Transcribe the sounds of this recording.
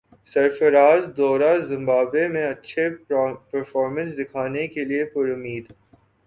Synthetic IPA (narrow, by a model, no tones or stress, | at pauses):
sɐɾfəɾaːzd̪ɔːɾazɪ̃mbaːbemẽɐtːʃʰepɐɾfɔːɾmə̃nsd̪ɪkʰaːnekeliepʊɾʊmːiːd̪